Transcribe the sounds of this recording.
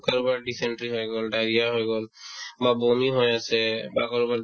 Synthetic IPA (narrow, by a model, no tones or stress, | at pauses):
kəɾubəɾɖisẽɳʈɾiɦoeɡolɖaːɾijaɦoeɡolbaboːmiɦojasebakəɾubəɾ